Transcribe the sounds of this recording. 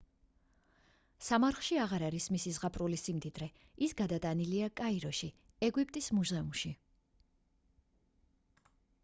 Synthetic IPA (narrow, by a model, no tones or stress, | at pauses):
samaɾχʃiaʁaɾaɾismisizʁapʰʼɾulisimd̪id̪ɾɛ | isɡad̪at̪ʼaniliakʼaiɾɔʃi | ɛɡwipʼt̪ʼismuzɛumʃi